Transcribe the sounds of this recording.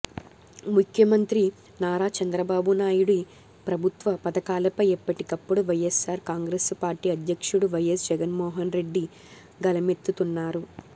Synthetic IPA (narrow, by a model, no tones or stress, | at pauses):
mukʰjɐmɐnt̪ɾi | naːɾaːt͡ʃɐnd̪ɾɐbaːbunaːjuɽi | pɾɐbʱut̪ʋɐpɐd̪ɐkaːlɐpɐjipːɐʈikɐpːuɽuʋɐjesaːɾkaːŋɡɾeːspaːɾʈiːɐd̪jɐkʂuɽuʋɐjesd͡ʒɛɡɐnmɔːɦɐnɾe̞ɖːi | ɡɐlɐme̞t̪ːut̪unːaːɾu